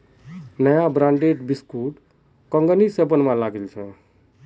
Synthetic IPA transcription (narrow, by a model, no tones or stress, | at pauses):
nəjabɾaɳɖeʈbiskuʈ | kə̃ŋɡənisebənmãlaɡelt͡ʃʰɛ